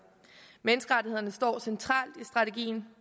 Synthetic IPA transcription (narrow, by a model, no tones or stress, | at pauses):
menəsɡ̥əʁɑ̈d̥ʰihe̝̰ɐnəsd̥ɒ̰ːsent͡sʰʁɑ̰̈ːld̥isd̥ʁɑ̈t͡sʰe̝ɡ̥ḭːn